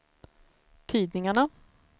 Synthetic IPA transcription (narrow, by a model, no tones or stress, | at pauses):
t̪ʰiːd̪nɪŋaɳa